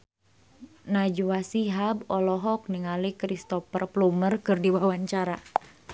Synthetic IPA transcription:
nad͡ʒuwasiɦabɔlɔɦɔk̚niŋalikɾist̪ɔfərplumərkɨrdiwawaɲt͡ʃaɾa

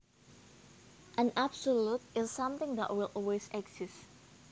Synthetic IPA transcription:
ʔə̃nabsolut̚ɪsːãmt̪ɪ̃ŋd̪ɛ̰ʔ̚wɪlʔɔlwesɛɡz̥ɪs

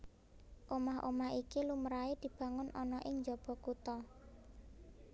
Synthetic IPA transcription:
ʔomahʔo̰maɦikiluməɾaed̪̥i̤b̥ä̤ŋʊnʔɔnɔʔɪŋɲd͡ʒɔb̥ɔ̤kut̪ɔ

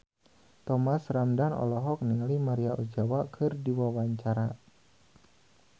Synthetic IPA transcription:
t̪ɔmasramdanɔ̰lɔɦɔk̚niŋlimaɾiaʔud͡ʒawakʰɨrdiwawaɲt͡ʃaɾa

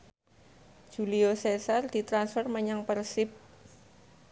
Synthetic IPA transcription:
ʒ̥ṳliosɛsard̪̥i̤t̪ɾansfərməɲaŋpərsɪp̚

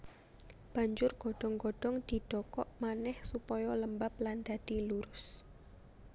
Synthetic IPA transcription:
b̥a̤ɲd͡ʒʊrɡ̥ɔɖ̥ɔŋɡɔɖ̥ɔŋd̪̥i̤d̪̥ɔkɔʔmanɛhsupɔjɔləmbapland̪̥a̤d̪̥iluɾʊs

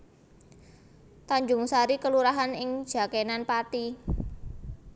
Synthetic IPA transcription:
t̪aɲd͡ʒʊŋsaɾikəluɾaɦanɪŋd̥ʒ̥a̤kenanpat̪i

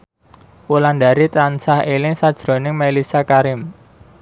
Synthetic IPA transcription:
wuland̪aɾit̪ɾansahelɪŋsad̥ʒ̥ɾo̤nɪŋmelisakaɾɪm

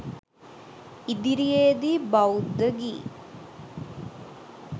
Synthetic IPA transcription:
id̪iɾijeːd̪ibɐud̪ːəɡiː

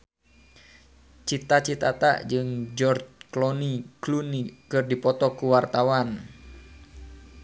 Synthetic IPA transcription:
t͡ʃit̪at͡ʃit̪at̪a̰ʔd͡ʒɨŋd͡ʒɔrd͡ʒklɔniklunikɨrdipɔt̪ɔkuwart̪awan

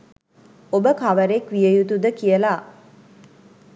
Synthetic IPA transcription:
obəkaʋəɾekʋijəjut̪ud̪əkiəla

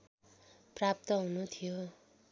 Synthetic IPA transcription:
prap̚t̪ʌɦunut̪ʰijo

